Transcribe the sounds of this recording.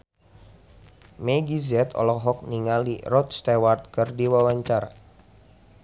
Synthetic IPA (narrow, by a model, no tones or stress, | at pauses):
meɡizɛt̪ɔ̰lɔɦɔk̚niŋalirɔt̪̚st̪ewart̪̚kɨrdiwawaɲt͡ʃaɾa̰